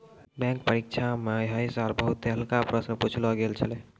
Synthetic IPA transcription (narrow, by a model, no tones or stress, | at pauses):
bɛ̃kpəɾikt͡ʃʰameɦəjsaɾbəɦut̪ːeɦəlkapɾəsnəput͡ʃʰlɔɡelt͡ʃʰəl